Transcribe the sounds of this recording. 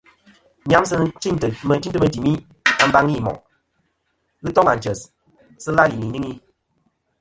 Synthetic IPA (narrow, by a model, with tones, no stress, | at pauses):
ɲja˦msɨ˦t͡ʃi˦ɲ˨tə˨mə˨n˦ti˦tə˦mə˨˦di˨mi˦ | a˦m̩˦ba˦ŋi˦˨mɔ̰˨ʔ | ɣɨ˦tɔ˦ŋa˨n˨d͡ʒə˨s | sə˦la˦li˨ni˨ɲi˦ŋi˦